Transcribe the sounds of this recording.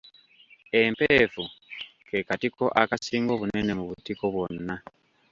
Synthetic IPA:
e̞mpeːfukʰe̞katiko̞ʔakasiːŋɡo̞ːβune̞ne̞muβutiko̞βwo̞nːa

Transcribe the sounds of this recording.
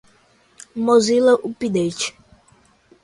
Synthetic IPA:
mozilɐʔupid̪et͡ʃ

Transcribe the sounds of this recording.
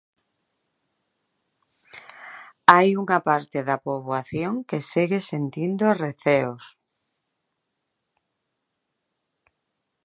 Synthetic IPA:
ajuŋapaɾt̪eðapoβwaθjoŋkesiɣesent̪ind̪oreθeos

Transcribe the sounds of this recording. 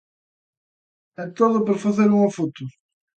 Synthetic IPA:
ɛt̪oðʊpɐɾɐfɐzeɾũfut̪uɾ

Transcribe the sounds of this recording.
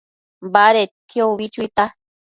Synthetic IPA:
baɾetkʰjoβit͡ʃuit̪a

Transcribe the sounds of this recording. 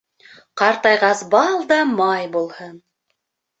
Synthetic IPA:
qɑɾt̪ɑjʁɑsbɑlˠd̪ɑmɑjbulˠhɤn

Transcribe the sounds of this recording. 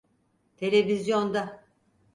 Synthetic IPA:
t̪ʰe̞lʲevizjond̪a

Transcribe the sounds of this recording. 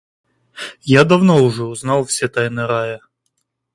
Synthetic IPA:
jad̪ɐvnoʊʐɛʊznɑlˠfsʲɛt̪ajnɨɾajə

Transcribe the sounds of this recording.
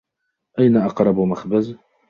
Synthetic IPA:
ʔæjnaʔɑqɾˤɑbʊmaxbəz

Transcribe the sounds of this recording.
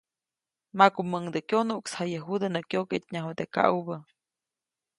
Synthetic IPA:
makuməŋd̪əkʲjonuʔkshajəɦud̪enəkjoket̪ʲɲaɦod̪eka̰ʔbə

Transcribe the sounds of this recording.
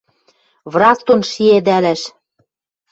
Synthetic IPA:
βrɑst̪onʃied̪ælæʃ

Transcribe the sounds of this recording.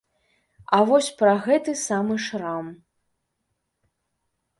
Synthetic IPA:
ɐvɔsʲpɾɐɣɛt̪ɨsamɨʂram

